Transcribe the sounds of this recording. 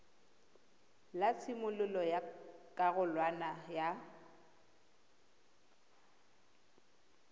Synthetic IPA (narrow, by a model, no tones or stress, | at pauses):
lat͡sʰɪmʊlʊlɔjakʼaɣʊlwanaja